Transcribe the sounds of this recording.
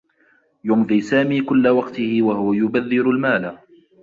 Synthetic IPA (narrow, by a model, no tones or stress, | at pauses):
jʊmðˤiːsaːmiːkʊlːawɑqt̪ɪhɪwahʊwajʊbaðːɪɾʊlmaːla